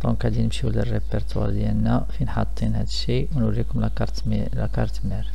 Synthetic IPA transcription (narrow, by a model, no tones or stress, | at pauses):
t̪ɑkʕæd̪inəmʃiwlərːəpəɾt̪wɑ̰ɾˤd̪jælnæfinħɑt̪ˤːinhæd̪əʃːiwnwlːikʊmlæ | ɾt̪ | læ̰kɑɾˤt̪məɾ